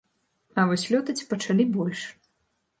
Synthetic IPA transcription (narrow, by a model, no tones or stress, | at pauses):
ɐvɔsʲlʲɔt̪ɐt͡sʲpɐt͡ʂalʲibɔlʲʂ